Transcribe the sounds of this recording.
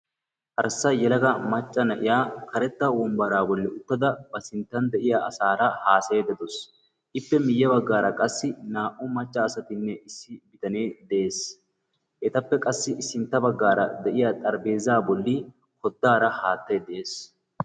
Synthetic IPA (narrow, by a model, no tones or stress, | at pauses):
ʔɐɾsɐjɛlɐɡɐmɐt͡ʃʼːɐnɐʔɪjaːkɐɾɛt̪ːɐwɔmbɐɾaːbɔlːɪʊt̪ːɐd̪ɐbɐsɪnt̪ːɐnd̪ɛʔɪjaɐsaːɾɐhaːsɐd̪ɐd̪ɔs | ʔɪpːɛmɪjːɐbɐɡːaːɾɐkʼɐsːɪnaːʔʊmɐt͡ʃʼːɐːsɐt̪ɪnːɛʔɪsːɪbɪt̪ɐneːd̪ɛʔe̞ːs | ʔɛt̪ɐpːɛkʼɐsːɪɪsːɪnt̪ːɐbɐɡːaːɾɐ̰d̪ɛʔɪjat̪ʼɐɾbe̞ːzːaːbɔlːiː | kɔd̪ːaːɾɐhaːt̪ːɐd̪ɛʔeːs